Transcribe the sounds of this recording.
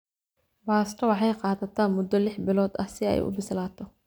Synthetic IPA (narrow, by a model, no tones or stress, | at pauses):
baːst̪ʰɐwɑħɑjqɑːðɐt̪ʰaːnmʊd̪ɔlɪħbɪlɔːd̪ɐ̰sɪɛ̰jʔʊ̰bɪslaːt̪ʰɔ